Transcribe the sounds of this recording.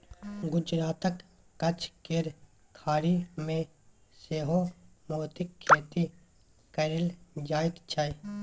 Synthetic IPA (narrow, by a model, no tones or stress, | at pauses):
ɡʊd͡ʒɾaːt̪əkː | ɐt͡ʃʰkeɾ | kʰaːɾimẽ | seːɦo | moːt̪ɪkʰːeːt̪i | kɐɾɪld͡ʒaːɪt̪t͡ʃʰaːj